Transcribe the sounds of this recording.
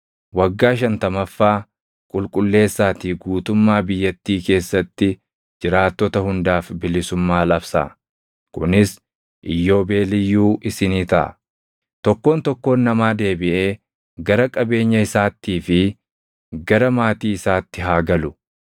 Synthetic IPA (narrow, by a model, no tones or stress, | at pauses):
wɐɡːaːʃ̬ɐnt̪ɐmɐfːaː | kʼʊlkʼʊlːe̞ːsːaːt̪iːɡuːt̪ʊmːaːbɪjːɐt̪ːiːke̞ːsːɐt̪ːɪ | d͡ʒɪɾaːt̪ːɔt̪ɐhʊnd̪aːfbɪlɪsʊmːaːlɐbsa̰ | kʊnɪs | ʔɪjːo̞ːbe̞ːlɪjːuːʔɪsɪniːt̪ɐʔɐ̰ | t̪ɔkːo̞ːnt̪ɔkːo̞ːnːɐmaːd̪e̞ːbɪʔe̞ː | ɡɐɾɐkʼɐbe̞ːɲːɐɪsaːt̪ːiːfɪ | ɡɐɾɐmaːt̪iːɪsaːt̪ːɪɦaːɡɐlʊ